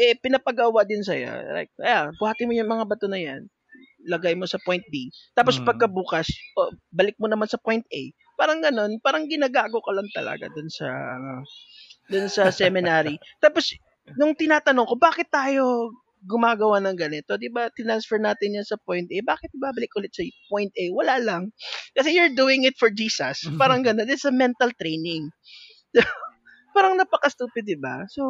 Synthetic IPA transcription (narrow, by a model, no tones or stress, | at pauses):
ʔɛpɪnɐpɐɡawaʔd̪ɪnsɐjo̰ɾa̰jk̪̚ʔɐjaŋbʊhaːt̪ɪnmojʊŋmɐŋabɐt̪onɐjan | lɐɡajmo̞sɐpojnt̪̚bit̪aːpo̞spɐɡ̚kɐbuːkɐsʔobɐlɪk̚monɐmansɐpojnt̪ʔḛj | paːɾɐŋɡɐno̞npaːɾɐŋɡɪnaːɡaːɡokɐlɐŋt̪ɐlɐ̰ɡa̰d̪ʊnsɐ̰ʔɐ̰nod̪ʊnsɐsɛmɪnaːɾit̪aːpos | nʊŋt̪ɪnaːt̪ɐnoŋko̞baːkɪt̪ːaːjo̞ | ɡʊmaːɡɐwanɐŋɡɐnɪt̪o̞d̪ɪbat̪ɪnansfɛɹnaːt̪ɪnjansɐpojnt̪̚ʔɛbaːkɪt̪̚ɪbaːbɐlɪk̚ʔʊlɪt̪̚sɐpojnt̪̚ʔɛwɐlalɐŋkɐsɛjʊɹd̪uːɪŋɪt̪̚fɔɹd͡ʒiːsɐ̰spaːɾɐŋɡɐno̞nɪt̪sɐmɛnt̪ɐlt̪ɾejnɪŋ | so | paːɾɐŋnɐpɐkɐst̪uːpɪd̪ːɪba̰so̞